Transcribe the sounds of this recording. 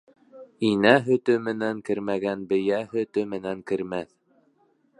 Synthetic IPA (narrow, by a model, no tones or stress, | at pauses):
inæɦɵ̆t̪ɵmɘ̆næŋkɘ̆ɾmæɡænbɘ̆jæɦɵ̆t̪ɵmɘ̆næŋkɘ̆ɾmæθ